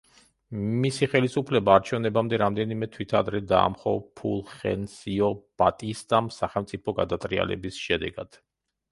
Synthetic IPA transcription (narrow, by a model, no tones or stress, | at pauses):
misiχɛlisupʰlɛbaːɾt͡ʃʰɛvnɛbamd̪ɛɾamd̪ɛnimɛt̪ʰwit̪ʰad̪ɾɛd̪a̰ːmχɔpʰṵlˠχɛ̰nsiɔb̥at̪ʼist̪ʼamsaχɛlˠmt̪sʼipʰɔɡa̰d̪at̪ʼɾia̰lɛ̰bisʃɛd̪ɛɡad̪̥